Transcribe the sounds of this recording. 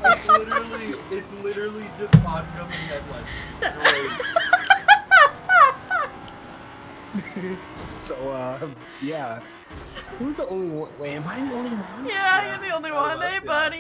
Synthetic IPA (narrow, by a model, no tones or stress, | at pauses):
ɪtslɪɾə˞l̩ˠiɪtslɪɾə˞l̩ˠid͡ʒʌst̚wɑ̃nə˞ʌpɨ̃nɨt̚laɪ | soʊʌm | jæ | huzðiõʊ̃nliwʌ̃nweɪɨ̃maɪ̃ðiõʊ̃nliwʌ̃njæaɪðiõʊ̃nliwʌ̃neɪbʌɾ